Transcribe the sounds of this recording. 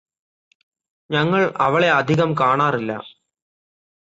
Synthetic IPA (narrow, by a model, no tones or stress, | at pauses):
ɲɐŋːɐɭɐʋɐɭe̞ɐd̪ʱiɣɐmkaːɳaːrilːɐ̰